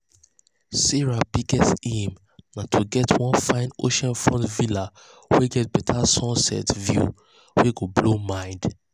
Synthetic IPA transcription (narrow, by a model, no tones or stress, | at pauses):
siɹabiɡɛstĩm | natʰoɡɛtʰwɔ̃nfãɪ̃no̰ʃãnfɹɔ̃ntvila | wɛɡɛt̚bɛtʰasɔ̃nsɛ̰tvjṵ | wɛɡoblomãɪ̃nd